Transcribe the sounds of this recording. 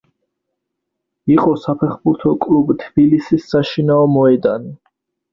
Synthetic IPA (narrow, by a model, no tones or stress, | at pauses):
iqʼɔsapʰɛχbuɾt̪ʰɔkʼlubit̪ʰb̥ilisisːaʃinaɔmɔɛd̪ani